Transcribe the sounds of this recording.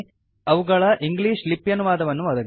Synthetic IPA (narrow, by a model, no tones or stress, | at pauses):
ɐʋuɡɐɭɐʔiŋɡliːʂlipːjɐnuʋaːd̪ɐʋɐnːuʋɐd̪ɐɡ